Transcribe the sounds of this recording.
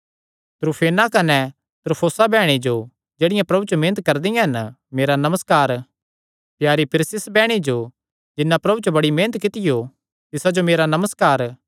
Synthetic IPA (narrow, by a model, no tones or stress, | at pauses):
t̪ɾupʰeːnakɐnɛ | t̪ɾpʰoːsabɛːɽ̃id͡ʒo | d͡ʒeːɽɪjãpɾɐbut͡ʃomẽːnət̪̚kɐɾd̪ɪjãɦɐn | meːɾanɐməskaːɾ | pjaːɾipʰɪɾɪsɪsbɛːɽ̃id͡ʒo | d͡ʒɪnːãpɾɐbut͡ʃobɐɽimeːnət̪̚kɪt̪ɪjo | t̪ɪsad͡ʒomeːɾanɐməskaːɾ